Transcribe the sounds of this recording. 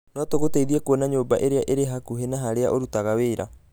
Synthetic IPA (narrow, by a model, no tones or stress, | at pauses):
noatoɣoteiðiakoonaɲoːbaʔeɾeaʔeɾeɦakuɦenaɦaɾeaʔoɾutaɣaweːɾa̰